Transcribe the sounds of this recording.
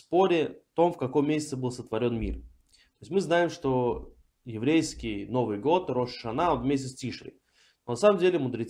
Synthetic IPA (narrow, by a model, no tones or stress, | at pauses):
spo̞ɾʲɪft̪o̞mfkɐkojmʲesʲɪ̥t̪səbɨlˠsət̪vɐɾʲo̞nmʲḭr | t̪oɪsʲmɨznajɪmʂt̪o | jɪvɾʲejskʲɪjno̞vɨjɡo̞t̪ɾo̞ʂʂɐnaonvʲmʲesʲtʲɪstʲiʂɾʲɪ̰ | nonɐsaməmdʲelʲɪmʊd̪ɾʲɪt̪